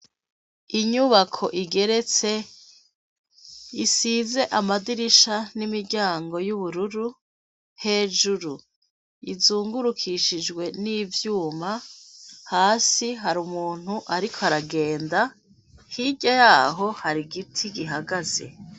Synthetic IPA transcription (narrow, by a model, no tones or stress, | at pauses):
iɲuβakʰo̞ʔiɡe̞ɾe̞t͡se | isiːze̞ʔamadiɾiʃanimiɾɟaːŋɡo̞juβuɾuɾu | he̞ːd͡ʒuɾu | izuːŋɡuɾukʰiʃid͡ʒɡwe̞niːvjuːma | haːsiɦaɾumuːn̥huʔaɾikʰoaɾaɡe̞ːnda | hiɟajaːɦo̞haɾiɡitʰiɡiɦaɡaze̞̰